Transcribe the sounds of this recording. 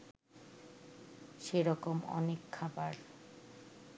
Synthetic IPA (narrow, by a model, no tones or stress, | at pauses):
ʃeɾɔkomɔ̰nekʰːabaɾ